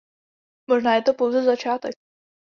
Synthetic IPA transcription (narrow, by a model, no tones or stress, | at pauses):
moʒnaːjɛt̪opowzɛzat͡ʃaːt̪ɛk̚